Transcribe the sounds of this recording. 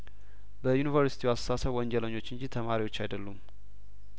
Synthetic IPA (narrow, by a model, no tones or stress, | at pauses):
bəjunivəɾsit̪ʰiwasə̥sasəβwɔɲd͡ʒɛləɲːo̞t͡ʃːɨnd͡ʒit̪ʰəmaɾiwo̞t͡ʃːajd̪əlːum